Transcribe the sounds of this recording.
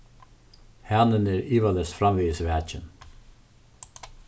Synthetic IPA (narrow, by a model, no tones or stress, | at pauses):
hæːnəneːɾiːʋɑləsfɾɑmʋiːəsʋæːt͡ʃən